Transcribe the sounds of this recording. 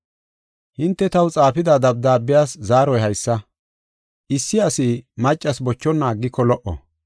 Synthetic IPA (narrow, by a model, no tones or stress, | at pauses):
hɪnt̪ːɛt̪ɐwt͡sʼaːfɪd̪ad̪ɐb̚d̪aːbːɪjaːszaːɾɔjhɐjsːɐ | ʔɪsːɪɐsɪmɐt͡ʃʼːɐsbɔt͡ʃːɔnːaːɡːɪkːɔlɔʔɔ̰